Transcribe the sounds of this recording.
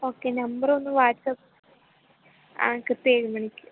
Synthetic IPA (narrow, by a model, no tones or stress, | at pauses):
oːkːeːnɐmbɐronːɨʋaːʈsɐp | a̰ːkɨt̪ːeːɻumɐɳikʲːɨ̥